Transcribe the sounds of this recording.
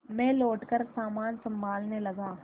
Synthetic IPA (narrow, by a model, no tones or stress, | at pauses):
mɛ̃ːloːʈkəɾsaːmaːnsɐ̃mbʱaːlnelɐɡaː